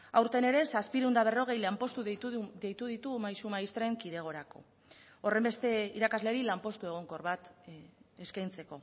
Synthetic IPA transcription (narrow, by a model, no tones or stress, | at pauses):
awɾt̪e̞ne̞ɾe̞saspiɾewnd̪aβ̞e̞ro̞ɣ̞e̞jlampo̞st̪uðe̞jt̪uðit̪umajsumaist̪ɾeŋkiðe̞ɣ̞o̞ɾako̞̰ | ore̞mbe̞st̪e̞iɾakazle̞ɾilampo̞st̪ue̞ɣ̞o̞ŋko̞ɾβat̪ | eskajnt͡se̞ko̞